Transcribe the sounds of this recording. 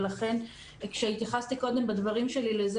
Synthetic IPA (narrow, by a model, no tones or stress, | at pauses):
laχe̞n | kʃeit̪jaχast̪iko̞d̪e̞mbad̪vaʁimʃe̞lilez